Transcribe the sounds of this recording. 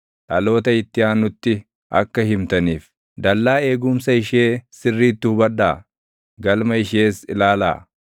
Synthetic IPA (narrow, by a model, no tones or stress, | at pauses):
ᶑɐlo̞ːt̪ɐɪt̪ːɪjaːnʊt̪ːɪ | ʔɐ̰kːɐhɪmt̪ɐniːf | d̪ɐlːaːe̞ːɡʊmsɐɪʃe̞ːsɪrːiːt̪ːʊhʊbɐᶑa̰ː | ɡɐlmɐɪʃeːsɪ̰laːla̰ː